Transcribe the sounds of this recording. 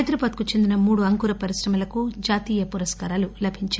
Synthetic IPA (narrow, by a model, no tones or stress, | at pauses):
jd̪ɾɐbaːd̪kut͡ʃe̞nd̪inɐmuːɽuɐŋkuɾɐpɐɾisɾɐmɐlɐkud͡ʒaːt̪iːjɐpuɾɐskaːɾaːlulɐbʱiɲt͡ʃa